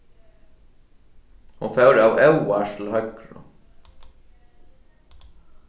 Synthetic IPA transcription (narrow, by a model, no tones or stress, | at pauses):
hunfɛwɾawɛwast̪ɪlɦœkɾʊ̰